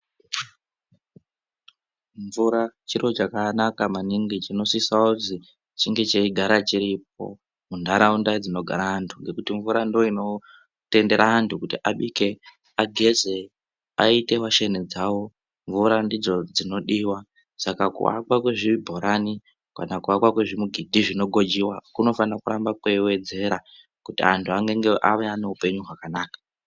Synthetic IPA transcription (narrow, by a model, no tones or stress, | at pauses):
ɱvuɾat͡ʃiɾot͡ʃakanakamaniŋɡit͡ʃino̞sisaozi | t͡ʃiŋɡe̞t͡ʃeiɡʱaɾat͡ʃiɾip̚o̞̰ | mundaɾaundad͡zino̞ɡʱa̰ɾaɦantʰuŋɡe̞kutiɱvuɾandoino̞ | te̞nde̞ɾʔaɦantʰukutiʔaɓike̞ | aɡʱe̞ze̞ | aite̞waʃened͡zawo̞ | ɱvuɾandid͡zo̞d͡zino̞ɗiːwa | sakakṵwa̰kwakweʐiibʱo̞ɾani | ka̰nakuwakwakweʐimuɡʱidʱiʐino̞ɡʱo̞d͡ʒiwakuno̞fanakuɾambakwewe̞d͡ze̞ɾa | kutiantʰuaŋɡe̞ŋɡeʔaʋeane̞upe̞ɲuɦwakanaːkḁ